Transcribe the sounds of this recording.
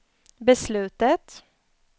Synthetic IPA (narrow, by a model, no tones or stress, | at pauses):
bəslʉːt̪ət̪